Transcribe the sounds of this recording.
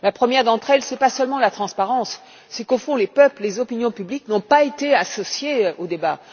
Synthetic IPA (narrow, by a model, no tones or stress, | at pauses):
lapχəmjɛʁd̪ɑ̃t̪χɛlsɛpasœlmɑ̃lat̪χɑ̃spaʁɑ̃sː | ɛkofɔ̃lepœpllezɔpinjɔ̃pybliknɔ̃paet̪easɔsjeod̪eba